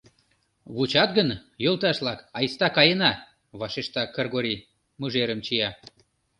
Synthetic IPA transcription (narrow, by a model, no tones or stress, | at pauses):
βut͡ɕɑt̪ɡənjolt̪ɑʃlɑkɑjst̪ɑkɑjənɑ | βɑʃeʃt̪ɑkɤrɣoɾʲi | muʒeɾəmt͡ɕijɑ